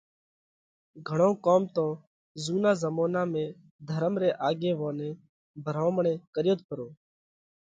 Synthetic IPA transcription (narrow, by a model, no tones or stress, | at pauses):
ɡʱəɳõːkoːmt̪õː | zuːnãːzəmoːnãːmẽː | d̪ʱəɾəmɾeːʔaːɡeːʋõːnẽː | bʱəɾãːməɳeːkəɾjoːt̪̚pʰəɾoː